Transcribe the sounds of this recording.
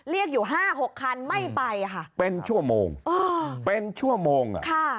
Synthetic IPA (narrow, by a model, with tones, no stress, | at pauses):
ɾi˥˩ək̚juː˨˩ɦaː˥˩ɦo˨˩kʰːa˧nma˥˩jpa˧jkʰa˥˩pe˧nt͡ɕʰu˥˩əmo̰ː˧ŋʔɤː˧pe˧nt͡ɕʰu˥˩əmoː˧ŋ̰˨˧kʰa˥˩